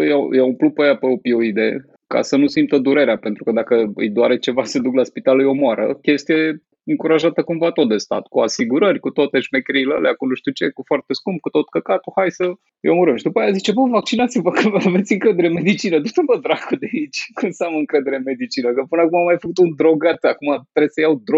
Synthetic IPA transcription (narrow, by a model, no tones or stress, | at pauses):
jajaumplupəjapeopioid̪e̞̰ | ka̰sənusimpt̪əd̪uɾe̞ɾeapent̪ɾukəd̪akəɨ̰jd̪oaɾet͡ʃe̞vased̪uklaspit̪alɨjo̞moaɾə̰kʲe̞st̪ije | ɨŋkuɾaʒat̪əkumvat̪o̞t̪̚d̪est̪a̰t̪kuasiɡuɾərʲkut̪ot̪eʃmekɾijlə̰leakunuʃt̪ut͡ʃe̞kufoart̪eskumb̚kut̪o̞t̪kəkat̪uhajsə | jomuɾəmʃid̪upajazit͡ʃebəvak̚t͡ʃinat̪sʲivəkəave̞t̪sʲɨŋkɾe̞d̪eɾemed̪it͡ʃinəd̪ut̪uvəd̪ɾaɡəd̪eait͡ʃʲkunseaməɨŋkɾe̞d̪e̞ɾe̞me̞d̪it͡ʃinəkəpɨnəakumamajfəkut̪und̪ɾo̞ɡat̪akumat̪ɾesəjawd̪ɾo